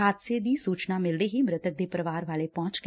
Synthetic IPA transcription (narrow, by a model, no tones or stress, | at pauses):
aːt̪sed̪isuːt͡ʃnamɪld̪eɦimɾɪt̪ək̚d̪epɾəʋaːɾʋaːlepɔ̃ːt͡ʃk